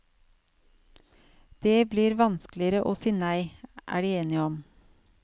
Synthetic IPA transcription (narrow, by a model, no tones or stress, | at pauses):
d̪̥eːbliːɾʋɑnsklɪəɾəʔoːsiːnæɪʔæ̰ːɖiːeːnɪɔm